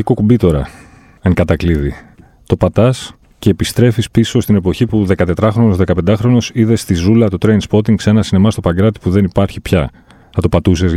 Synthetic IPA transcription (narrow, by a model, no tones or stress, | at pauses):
iko̞kumbit̪o̞ɾɐ | eŋkɐt̪ɐkliði | t̪o̞pɐt̪ɐs | ce̞ːpist̪ɾe̞fispiso̞st̪ine̞po̞çipuðe̞kɐt̪e̞t̪ɾɐxɾo̞nozðe̞kɐpe̞nd̪ɐxɾo̞no̞siðe̞st̪izulɐt̪ut̪ɾejnspo̞t̪iŋɡse̞nɐsinemɐst̪o̞pɐɡɾɐt̪i̥puðe̞nipɐɾçipçɐ | ɐt̪opɐt̪us̬ez